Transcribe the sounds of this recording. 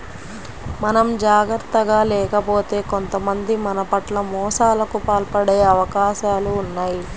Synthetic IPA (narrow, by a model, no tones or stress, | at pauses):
mɐnɐmd͡ʒaːɡɾt̪ːɐɡaːlɛːkɐpo̞ːt̪e̞ːko̞nt̪ɐmɐnd̪imɐnɐpɐʈlɐmɔːʂaːlɐkupaːlpɐɽeːɐʋɐkaːʃaːluːnːaːji